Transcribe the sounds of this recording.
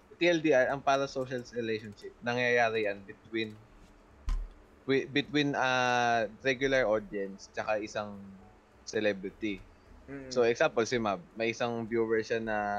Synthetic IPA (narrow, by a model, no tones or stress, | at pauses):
t̪iɛld̪iʔaɹʔɐŋpaːɾɐsowʃɐlsɹɪlejʃonʃɪp̚nɐŋjajaːɾɪjɐnbɪt̪win | ɪbɪt̪winɐɾɛɡjʊlɐɹʔod̪jɛnst͡ʃɐkaʔɪsaŋ | sɛlɛbɾɪt̪i | soɛksampɔlsɪmab̚mɐjʔɪsaŋbjuːwɛɹʃanɐ